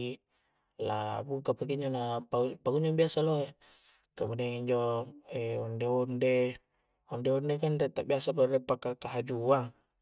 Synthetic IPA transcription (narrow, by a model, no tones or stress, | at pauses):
i | la̰bukapak̬iɲd͡ʒonapapaɡuɲaŋbiasaloe | kamudiaŋiɲd͡ʒoɛɔndeɔnde | ɔndeɔndekandet̪aʔbiasapaɾepakːakaɦad͡ʒuaŋ